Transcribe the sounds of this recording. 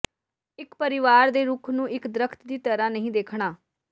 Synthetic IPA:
ɪkpəɾɪʋaːɾd̪eːɾuːkʰnũːʔɪkd̪ɾəkʰt̪d̪iːt̪əɾãːnəɦĩːd̪eːkʰɳaː

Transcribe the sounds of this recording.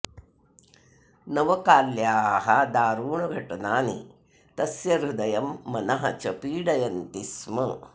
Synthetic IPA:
nɐʋɐkaːljaːɦɐd̪aːɾuːɳuɡʱɐʈɐnaːnḭ | t̪ɐsjɐɾud̪ɐjɐmːɐnɐɦɐ̰t͡ʃɐpiːɽɐjɐnt̪ismɐ

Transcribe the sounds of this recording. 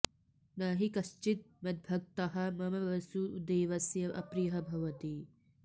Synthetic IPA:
naːɦikɐʃt͡ʃit̪̚mɐd̪̚bʱɐk̚t̪ɐɦɐmɐmɐʋɐsud̪eːʋɐsjɐʔɐ̰pɾijɐɦɐbʱɐʋɐt̪i

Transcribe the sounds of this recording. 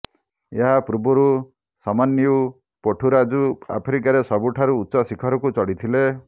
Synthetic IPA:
eɦapɾubɔɾu | samanjiu | pɔʈʰuɾad͡ʒua̰pʰɾikaɾesɔbuʈʰaɾuːtːʃɔsikʰɔɾɔkut͡ʃɔɽit̪ʰile

